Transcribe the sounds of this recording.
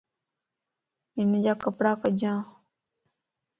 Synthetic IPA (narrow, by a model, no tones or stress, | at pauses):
ɪnd͡ʒaːkəpɽaːkəd͡ʒãː